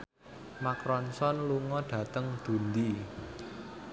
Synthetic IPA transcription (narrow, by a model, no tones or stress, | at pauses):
makɾɔnsɔnluŋɔɖ̥ä̤t̪əŋd̪̥ṳnd̪i